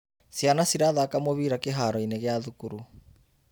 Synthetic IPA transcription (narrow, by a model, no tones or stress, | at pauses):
sjanasiɾaðaːkamoβiːɾakeɦaɾɔineɣeaðukuɾu